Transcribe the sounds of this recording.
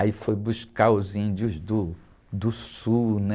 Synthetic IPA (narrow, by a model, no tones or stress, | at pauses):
aifojbuʃkaʊzĩnd͡ʒʊzd̪ʊ | d̪ʊsunɛ